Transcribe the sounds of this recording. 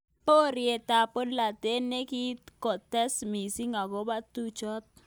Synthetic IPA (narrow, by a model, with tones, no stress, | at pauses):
po˦ɾje˨ta˨po˦dla˨te˦nːe˦ki˦kɔ˨tɛ˦smi˨si˦ŋa˨ɡo˦ba˦t̪u˦t͡ʃɔ˦t̪̚